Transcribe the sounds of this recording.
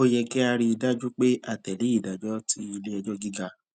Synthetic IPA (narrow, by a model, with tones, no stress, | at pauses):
o˦jɛ˧kɛ˦a˧ɾi˧i˧da˦d͡ʒu˦k͡pe˦a˦˨tɛ˨li˨˦i˦˨da˨d͡ʒɔ˦tʰi˦i˧le˦ɛ˧d͡ʒɔ˦ɡi˦ɡa˧